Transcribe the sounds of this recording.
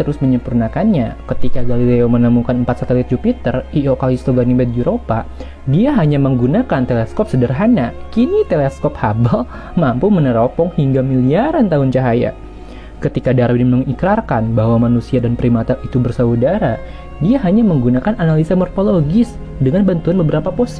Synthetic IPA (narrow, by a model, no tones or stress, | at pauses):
t̪əɾʊsməɲəmpurnakanɲakət̪ikaɡalileomənəmukanəmpat̪̚sat̪elɪt̪̚d͡ʒupit̪əriokalist̪oɡanibɛd̪̚juɾopa | diaɦaɲaməŋɡunakant̪elɛskɔp̚sədərɦanakinit̪elɛskɔphabəl | mampumənəɾopɔŋhiŋɡamiliaɾant̪aɦʊnt͡ʃaɦaja̰ | kət̪ikadaɾabniməŋikɾarkanbaɦwamanusiadanpəɾimat̪aʔit̪ubərsaudaɾa | diaɦaɲaməŋɡunakananalisamɔrfoloɡɪs | dəŋanbant̪uanbəbəɾapaposi̥